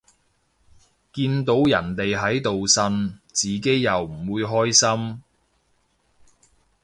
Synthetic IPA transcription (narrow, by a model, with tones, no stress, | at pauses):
kiː˧nt̪o˨˥wjɐ˨˩nt̪e˨jɦɐ˨˥jt̪o˨wsɐ˧˥nt͡siː˨ke˨˥jːɐ˨wm̩˨˩wuː˨˧jɦɔː˥jsɐ˥m